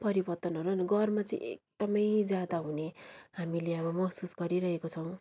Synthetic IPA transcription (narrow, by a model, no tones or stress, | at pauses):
pʌɾibʌrt̪ʌnɦʌɾuɦaniɡʌrmat͡sʌḭ̃ʔḛk̚d̪̥ʌmʌjd͡zjad̪aɦuneɦamileʌbʌmʌksusɡʌɾiɾʌɦekot͡sʰʌw̃